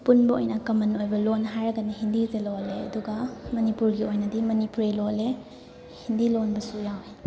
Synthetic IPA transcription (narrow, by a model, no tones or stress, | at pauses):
punbɐojnɐkɐmɐnojbɐlonɦajɾɐɡɐnɐɦindizeloleɐ̰duɡɐmɐnipuɾɡiojnɐdimɐnipuɾilole | hindilonbɐsujawhei